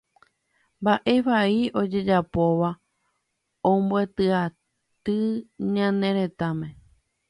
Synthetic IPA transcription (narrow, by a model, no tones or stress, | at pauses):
mbaʔe̞ʋaio̞d͡ʒe̞d͡ʒapo̞ʋa | õmbwe̞t̪ɨa | t̪ɨɲãnẽ̞ɾe̞t̪amẽ̞